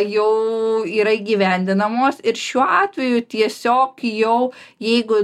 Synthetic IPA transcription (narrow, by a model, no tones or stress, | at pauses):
jɛʊiːɾɐiːɡʲiʋʲɛˑnʲd̪ʲɪnɐmoːsɪɾʃʲuɔɑːt̪ʲʋʲɛjʊt̪ʲiɛsʲoːkjɛʊjɛɪɡʊ